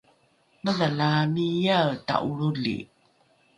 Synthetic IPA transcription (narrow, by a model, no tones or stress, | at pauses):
məðalamijata̰ʔuɭuɮḭ